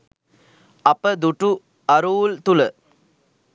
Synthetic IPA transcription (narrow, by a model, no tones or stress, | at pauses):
ɐpːəd̪uʈːu | ɐɾuːlt̪ulə